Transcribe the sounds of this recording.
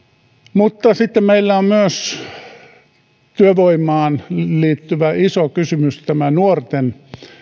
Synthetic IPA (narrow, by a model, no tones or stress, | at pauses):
mut̪ːɑsit̪ːemmeilːæommyøs | t̪yøʋoimːˑɑːnliːt̪ːyʋæisokysymyst̪æmænuort̪en